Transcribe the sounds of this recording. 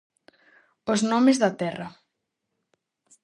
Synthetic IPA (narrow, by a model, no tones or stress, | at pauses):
oznɔmezðɐt̪ɛrɐ